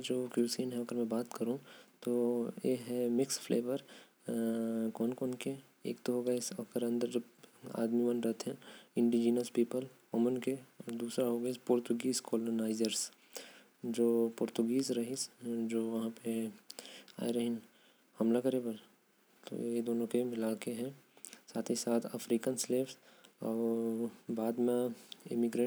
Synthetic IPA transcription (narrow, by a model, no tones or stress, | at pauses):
d͡ʒoːkjuːsiːnɦɛɐɡəɾmɛ̃baːt̪kɐɾũt̪oːjḛːɦɛmɪksfʰleːʋəɾ | kɔːnkɔːnke | ḛːkt̪oɦoːɡɐsɐɡəɾɐ̃nd̪əɾd͡ʒoba̰ːd̪miʋɐ̃nɾɐt̪ɦɛ̃ɪ̃ɳɖid͡ʒiːnəspiːpəlkɔmənked̪uːsɾaɦoːɡspʊɾt̪ʊɡiːzkɔːlonaːɪzəɾs | d͡ʒoːpʊɾt̪ʊɡiːzɾɐɦisd͡ʒoːʋɐɦãpe | a̰ːeɾɐɦɪn | hɐmlakɐɾepɐɾ | t̪o̰ed̪oːnõkeɪlaːkeɦɛ̃saːt̪ʰisaːt̪ʰɐfɾiːkənsleːfsɔːɾbaːd̪mẽɪ̰mɪɡɾẽ